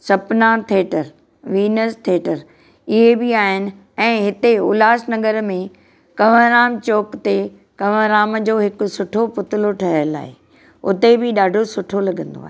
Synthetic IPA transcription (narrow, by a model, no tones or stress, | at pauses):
sɐpnat̪ʰeːʈəɾ | ʋiːnəst̪ʰeːʈəɾ | ɪɦebɪaːɦɪnɪ̆ | ɛ̃ːɦɪt̪eʊ̰laːsnɐɡəɾmẽ | kɐʋ̤ə̃ɾaːmt͡ɕoːkt̪e | kɐʋəɾaːmd͡ʑoːɦɪkʊ̆sʊʈʰopʊt̪ɪloʈʰɐɦəjla̰ːɦɪ | ʊt̪ebɪɗaːɖʱosʊʈʰolɐɡə̃nd̪o̰aːɦ